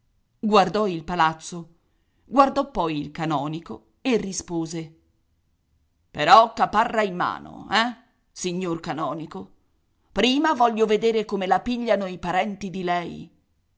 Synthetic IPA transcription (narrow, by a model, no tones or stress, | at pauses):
ɡward̪ɔilpalat̪sːo | ɡward̪ɔpːɔjilkanɔːniko | erːispoːze | peɾɔkːapːarːaimːa̰ːno̰ɛ | siɲːorkanɔːniko | pɾiːmavɔʎːoved̪eːɾekomelapiʎːanoipaɾɛnt̪id̪ilɛj